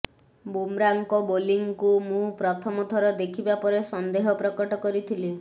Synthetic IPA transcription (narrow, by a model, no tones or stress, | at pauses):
bumɾaŋkɔboliŋkumũpɾɔt̪ʰɔmɔt̪ʰɔɾɔd̪ekʰibapɔɾesɔnd̪eɦɔpɾɔkɔʈɔkɔɾit̪ʰili